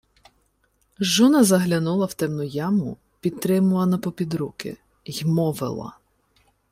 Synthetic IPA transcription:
ʒunɐzɐɦlʲɐnulˠɐwt̪ɛmnʊjɑmʊ | pʲid̪̚t̪ːɾɪmʊlˠɐnɐpɔpʲid̪ɾukɪ̰ | jmɔʋɪ̰lˠɐ̰

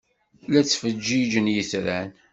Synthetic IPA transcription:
læt͡sːfəd͡ʒːid͡ʒənjiθɾæn

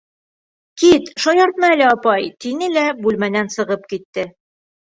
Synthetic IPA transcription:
kit̪ʃɒjɑɾt̪nɑælæɒpɑjt̪inɘlæbʉlmænænsɤ̆ʁɤp̚kit̪ːɘ

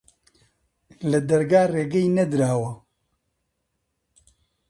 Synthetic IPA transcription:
lɐd̪ɐɾɡaːreːɡɛjnɐd̪ɾaːwɐ

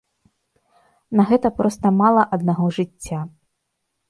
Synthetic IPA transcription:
nɐɣɛt̪ɐpɾɔst̪ɐmalˠɐʔɐd̪̚naɣɔʐɨt͡st͡sʲːa

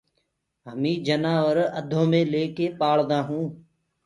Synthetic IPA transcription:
ɦəmĩːd͡ʒənaːʋʋəɾəd̪ʱõːmẽːleːkeːpaːɭd̪aːɦũː

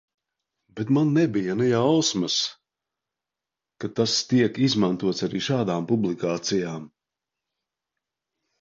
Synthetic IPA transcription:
bɛt̪manːɛbijanɛjawsmas | kat̪ast̪iɛkizmant̪uɔt̪saɾiːʃaːd̪aːmpublˠikaːt̪sijaːm

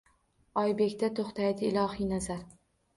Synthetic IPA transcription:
ɒjbe̞kʲt̪at̪ʰoχt̪ʰajd̪ɪːlˠɒɦijnazaɾ

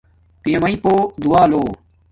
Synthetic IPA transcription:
pimɐipoːd̪uaːloː

